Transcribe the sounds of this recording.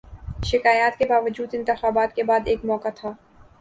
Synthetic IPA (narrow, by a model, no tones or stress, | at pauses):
ʃɪkaːjaːt̪kebaːʋəd͡ʒuːd̪ɪ̃nt̪ɪxaːbaːt̪kebaːd̪eːkmɔːkat̪ʰaː